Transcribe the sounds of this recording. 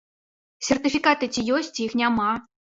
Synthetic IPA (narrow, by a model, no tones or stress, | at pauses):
sʲerʲt̪ʲifʲikat̪ɨtʲijosʲt̚ʲixnʲɑmɑ